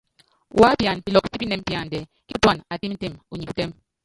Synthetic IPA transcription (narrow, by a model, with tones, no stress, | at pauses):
wa˦pja˨npi˨lɔ˨ki˦pi˦pi˦nɛ˨m˦pja˨n˨dɛ˨ | ki˦twa˨na˨ti˦m̩˦te˦˨mu˨ɲi˨pu˦te˦m